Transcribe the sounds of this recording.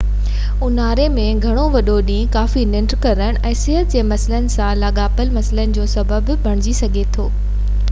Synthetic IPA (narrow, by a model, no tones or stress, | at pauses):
ʊnaːɾemẽɡʱɐɽ̃oʋɐɗoɗĩːkaːfinɪ̃ɳʈɾkɐɾəɽ̃̆ʔɛ̃ːsɪɦət̪̚d͡ʑeːmɐsɪlənɪ̆sãlaːɠaːpəlmɐsɪlənɪ̆d͡ʑoːsɐbəbbʱɐɽ̃ɪd͡ʑisɐɡʱet̪ʰoː